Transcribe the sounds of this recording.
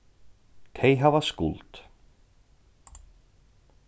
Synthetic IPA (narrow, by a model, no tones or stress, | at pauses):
t̪ʰeːjɦavaskṵlt̪